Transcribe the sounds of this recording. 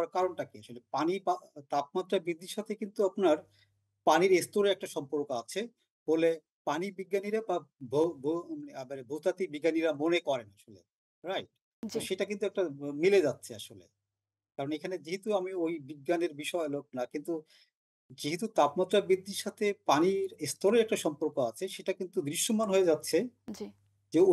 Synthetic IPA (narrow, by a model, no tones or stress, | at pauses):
ɾkaɾonʈakiaʃolepanipat̪ap̚mat̪ːɾabɾid̪ʱːiʃat̪ʰekint̪uapnaɾ | paniɾest̪oɾeɾɛk̚ʈaʃɔmpoɾkat͡ɕʰe | b̥ole | panibiɡːaniɾababʱobʱoaebanebʱowt̪at̪ibiɡːaniɾamonekɔɾenaʃolḛ | ɾajʈ̚ | d͡ʑoʃeʈakint̪uɛkʈamiled͡ʑatːɕʰeaʃolḛ | kaɾonekʰaned͡ʑiɦit̪uamiojbiɡːaneɾbiʃɔelok̚nakint̪u | d͡ʑiɦit̪ut̪apmat̪ːɾabid̪ːiɾʃat̪ʰepaniɾest̪oɾeɾɛk̚ʈaʃɔmpoɾkoat͡ɕʰeʃeʈakint̪ud̪ɾiʃːomanɦoed͡ʑatːɕʰed͡ʑi | d͡ʑe